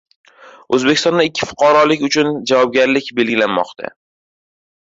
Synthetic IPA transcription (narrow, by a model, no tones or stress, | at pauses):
ɵzbeɪ̥st̪ɒnd̪aɪkʲʰːɪfʊ̥qʰɒɾɒlɪkʲʊt͡ʃʰʊnd͡ʒavɒb̚ɡʲaɾlɪkʲbe̞lɡʲɪlanmɒ̰qt̪ʰa̰